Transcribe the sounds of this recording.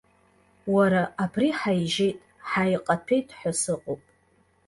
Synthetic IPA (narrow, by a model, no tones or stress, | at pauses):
waɾaʔapʰriħajʒejtʼ | ħajqʼapʰejtʼħʷasɨqʼowpʼ